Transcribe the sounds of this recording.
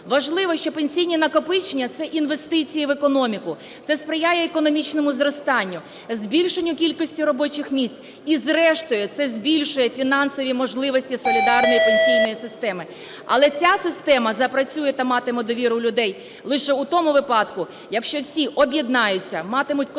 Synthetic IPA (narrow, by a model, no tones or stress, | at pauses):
ʋɐʒlˠɪʋɔʃt͡ʃɔpenʲsʲijnʲinɐkɔpɪt͡ʃenʲːɐt̪sɛʔinʋe̞st̪ɪt͡sʲijiʋekɔnɔmʲikʊ | t̪sɛspɾɪjajɛːkɔnɔmʲit͡ʃnɔmʊzrɔst̪ɑnʲːʊ | zʲbʲilʲʃenʲːʊkʲilʲkɔsʲtʲirɔbɔt͡ʃɪxmʲisʲt͡sʲ | izrɛʃt̪ʊjɛt̪sɛzʲbʲilʲʃʊjɛfʲinɑnsɔʋʲimɔʒlˠɪʋɔsʲtʲisɔlʲid̪ɑrnɔjipenʲsʲijnɔjisɪst̪ɛmɪ | ɐ̰lˠɛt͡sʲasɪst̪ɛmɐzɐpɾɐt͡sʲujɛt̪ɐmɑt̪ɪmɔd̪ɔʋʲiɾʊlʲʊd̪ɛj | lˠɪʃɛʊt̪ɔmʊʋɪpɑd̪kʊ | jɐkʃt͡ʃɔwsʲiʔɔbʲjid̪nɑjʊt͡sʲːɐmɑt̪ɪmʊtʲ